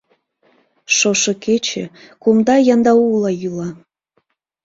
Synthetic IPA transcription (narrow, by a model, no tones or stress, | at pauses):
ʃoʃɤket͡ɕḛkumd̪ɑjɑnd̪ɑulˠɑjylɑ